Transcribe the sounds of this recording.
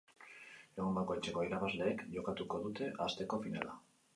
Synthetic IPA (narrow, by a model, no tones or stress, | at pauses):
e̞ɣombako̞jt͡ʃe̞ko̞iɾaβazle̞ːkʝo̞kat̪uko̞ðut̪e̞ʔast̪e̞ko̞finala